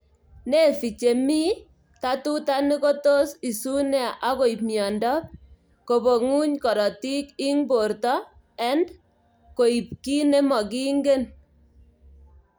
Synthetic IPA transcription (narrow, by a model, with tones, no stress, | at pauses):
ne˦fi˨t͡ʃe˨mi˦ | ta˦tu˦ta˦nɪ˦ko˦to˦si˨su˦nɛ˦a˨ʔa˦ko˨i˨pmjɔ˨ndɔ˦p̚ | ko˨bo˨ŋu˦ɲkɔ˨ɾɔ˨ti˦ki˦ŋbo˨rtɔ˦ | ɛ˦nd | ko˨i˨p̚ki˦ne˦mɔ˨ki˦ŋɡe˦n